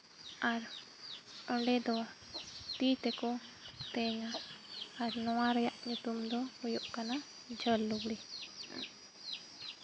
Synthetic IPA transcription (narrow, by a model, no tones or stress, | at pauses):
aɾ | ɔɳɖɛd̪ɔ | t̪it̪ɛkɔt̪ɛɲaː | ɾnɔwaɾɛjaʔɲut̪umd̪ɔhɔjɔʔkana | d͡ʒʱəlːuɡɽi